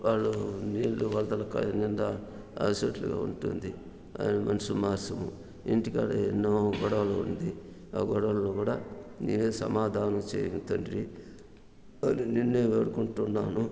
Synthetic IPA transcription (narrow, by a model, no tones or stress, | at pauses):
ʋʔaːɭːuniːlːuʋɐlɐt̪ɐlɐka̰nind̪ɐ | ɐ̰sɐʈlṵɡa̰ːṵɳʈund̪i | a̰jnɐmɐnɐsumaːɾsɐmṵ | iɳʈikaːɽɐenːoːɡɔɽɐʋɐloːund̪i | aːɡɔɽɐʋɐlloːkuːɽaːniːʋeːsɐ̰maːd̪ʱaːnɐmt͡ʃḛːjut̪ɐnɖɾi | anininːeːʋeːɽukuɳʈunːaːnu